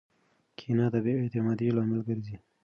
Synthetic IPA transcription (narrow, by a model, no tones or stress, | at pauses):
kʰinɑd̪abeet̪ɪmɑd̪ilɑmɪlɡəɾzi